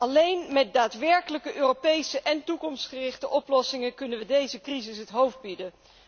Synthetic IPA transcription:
ɑlejnmɛt̚daːtʋɛɹkələkəʔøːropejsəʔɛntukɔmstχərɪχtəʔɔplɔsɪŋəkɵnəʋədejzəkrizɪsɦətɦowfd̚bidə

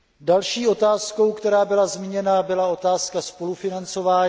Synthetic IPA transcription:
dalʃiːʔo̞t̪aːsko̞wkt̪ɛɾaːbɪlazmɪɲɛnabɪlao̞t̪aːskaspo̞lufɪnant͡so̞vaː

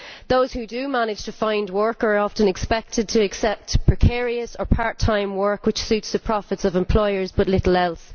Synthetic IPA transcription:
ðoʊz̥hʉdəmanɪd̥ʒ̥tʰəfãɪ̃ndwɜ˞kə˞ɒftə̃nɛkspɛk̚tʰɪd̚tʰəːksɛp̚tpʰɹ̥ɪkʰɛːɹiəsə˞pʰaɹtʰãɪ̃mwɜ˞kwɪt͡ʃsʉtsðəpʰɹ̥ɔfɪtsəvɛ̃mpʰl̥ɔɪə˞zbʌtˡlɪtˡl̩ɛlˠs

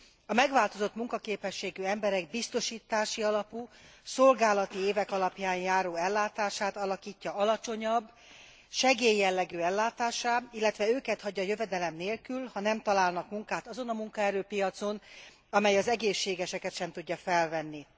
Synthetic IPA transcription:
ɒmɛɡʋaːlt̪o̞zo̞t̪muŋkɒkeːpɛʃːeːɡyɛmbɛɾɛɡ̚bist̪o̞ʃiːt̪aːʃiɒlɒpuːso̞lɡaːlɒt̪ieːvɛkɒlɒpjaːnjaːɾoːɛlːaːt̪aːʃaːt̪ɒlɒkiːcːɒɒlɒt͡ʃo̞ɲɒbː | ʃɛɡeːjːɛlːɛɡyːɛlːaːt̪aːʃaːilːɛt̪ʋɛøːkɛt̪hɒɟːɒjøvɛd̪ɛlɛmneːlkylhɒnɛmt̪ɒlaːlnɒkmuŋkaːt̪ɒzo̞nɒmuŋkɒɛɾøːpijɒt̪so̞n | ɒmɛjɒzɛɡeːʃːeːɡɛʃɛkɛt̪ʃɛmt̪uɟːɒfɛlvɛnːi

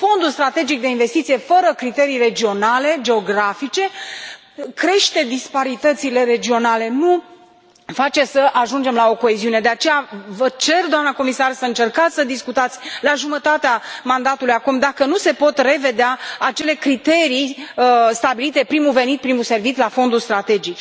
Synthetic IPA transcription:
fo̞nd̪ulst̪ɾat̪e̞d͡ʒik̚d̪e̞inve̞st̪it̪sijefəɾəkɾit̪e̞ɾijred͡ʒio̞nale̞d͡ʒe̞o̞ɡɾafit͡ʃe̞ | kɾe̞ʃt̪e̞d̪ispaɾit̪ət̪sile̞ɾe̞d͡ʒio̞nale̞nu | fat͡ʃe̞səʔaʒund͡ʒe̞mlao̞ko̞eziune̞d̪e̞at͡ʃe̞javət͡ʃe̞rd̪oamnəko̞misarsəɨnt͡ʃe̞rkat̪sʲsəd̪iskut̪at̪sʲlaʒumət̪at̪eamand̪at̪ulujakumd̪akənuse̞po̞t̪re̞ve̞d̪eaːt͡ʃe̞le̞kɾit̪e̞ɾiəst̪abilit̪e̞pɾimuve̞nit̪̚pɾimuse̞rvit̪lafo̞nd̪ulst̪ɾat̪e̞d͡ʒik

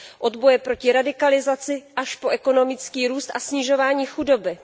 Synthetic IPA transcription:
ʔo̞d̪bo̞jɛpɾo̞cɪɾadɪkalɪzat͡sɪʔaʃpo̞ʔɛko̞no̞mɪt͡skiːɾuːst̪ʔasɲɪʒo̞vaːɲiːxudo̞bɪ

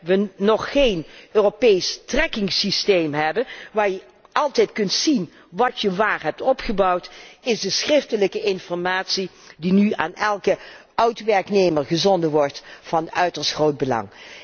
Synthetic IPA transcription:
ʋənɔχːejnøːropejstrɛkɪŋsistejmɦɛbəʋaːɹjə | ʔɑlˠtɛjtkɵntsin | ʋɑtjəʋaːɹɦɛp̚tɔpχəbɑwtɪzdəsχrɪftələkəʔɪnfɔɹmaːtsidinya̰ːnɛlˠkə | œɥtʋɛɹknejməɹχəzɔndəʋɔɹtfɑnœ̰ɥtəɹsχrowd̚bəlɑ̰ŋ

